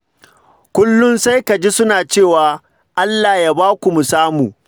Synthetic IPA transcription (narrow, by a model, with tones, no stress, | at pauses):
kʷʊ˦lːʊ˦nsa˦jka˨d͡ʒi˦sʊ˦naː˨t͡ʃeː˦˨waː˨ | ʔa˦lːaː˨jaː˦baː˦kʷu˨mu˨saː˦muː˨